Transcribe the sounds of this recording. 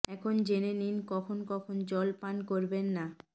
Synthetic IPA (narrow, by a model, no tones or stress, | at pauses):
ɛkʰond͡ʑeneninkɔkʰonkɔkʰond͡ʑɔlpankoɾbenːa